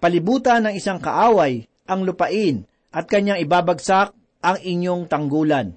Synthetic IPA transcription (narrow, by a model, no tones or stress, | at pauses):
pɐlɪbuːt̪ɐnːɐŋɪsaŋkɐ̰ʔaːwaj | ʔɐŋlʊpɐʔɪn | ʔɐt̪̚kɐɲːaŋɪbaːbɐɡsak̚ | ʔɐŋɪɲjoŋt̪ɐŋɡuːlɐn